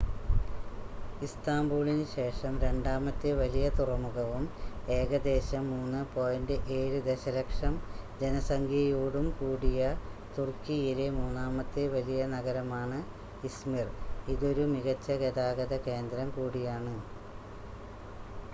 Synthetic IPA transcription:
ist̪aːmbuːɭinɨɕe̞ːʂɐmɾe̞ɳɖaːmɐt̪ːɨʋɐlijɐt̪urɐmuɣɐʋumeːɣɐd̪e̞ːɕɐmːuːnːɨpo̞ːjɐndɨʔe̞ːɻud̪e̞ɕɐlɐkʂɐmd͡ʑenɐsɐŋɡʱiɐjuːɽumkuːɽijɐt̪urkijilemuːnːaːmɐt̪ːɨʋɐlijɐnɐɣɐɾɐmaːɳɨ | ismiriðo̞ɾumiɣɐt͡ɕːɐɣeðaːɣɐðɐke̞ːnd̪ɾɐmkuːɽijaːɳɨ

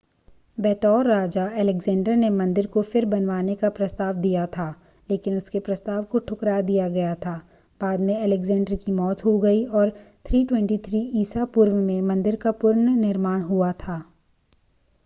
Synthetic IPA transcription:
bɛːt̪ɔːɾːaːd͡ʒaɛlɛɡzɛ̃ːɳɖəɾnemɐ̃nd̪ɪɾkofɪɾbɐnʋaːnekapɾɐst̪aːʋd̪ijat̪ʰaː | leːkɪnʊskepɾɐst̪aːʋkoʈʰʊkɾad̪ijaɡɐjat̪ʰaː | b̥aːd̪mẽɛlɛɡzɛ̃ːɳɖəɾkimɔːt̪ɦoɡɐiɔːɾt̪ʰɾiːʈwɛ̃ɳʈit̪ʰɾiːʔiːsapuːɾʋəmẽmɐ̃nd̪ɪɾkapʊɾɳnɪɾmaːɽ̃ɦuat̪ʰaː

